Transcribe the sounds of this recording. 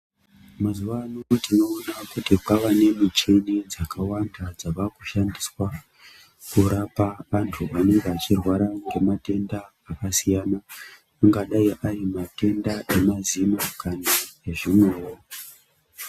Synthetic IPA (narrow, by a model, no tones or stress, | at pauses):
mazuʋanotino̞ːnakutipaʋane̞mit͡ʃenid͡zakʰawandad͡zaʋakuʃandiswa | kuɾapaʋantʰuʋane̞ŋɡeat͡ʃirwaɾaŋɡe̞mate̞ndaːkasijanaː | ŋɡaɗaiʔaimate̞ndaʔe̞mazimakanaeʐimwero